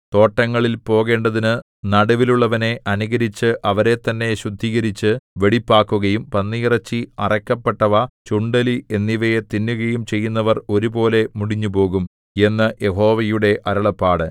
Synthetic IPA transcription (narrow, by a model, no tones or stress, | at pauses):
t̪o̞ːʈːɐŋːɐɭilpo̞ːɣe̞ːɳɖɐðinɨ | nɐɽɐʋiluɭːɐʋɐne̞ʔɐnuɣɐɾit͡ɕːɨʔɐʋɐɾe̞t̪ːɐnːe̞ɕud̪ʱːiːɣɐɾit͡ɕːɨʋe̞ɽipːaːkːuɣɐjumpɐnːiːrɐt͡ɕːiɐrɐkːɐpːeʈːɐʋɐt͡ɕuɳɖɐlie̞nːiʋɐjet̪inːuɣɐjumt͡ɕe̞jːunːɐʋɐro̞ɾubo̞ːle̞muɽiɲːupo̞ːɣum | e̞nːɐje̞ɦo̞ːʋɐjuɽe̞ʔɐɾɐɭɐpːaːɽɨ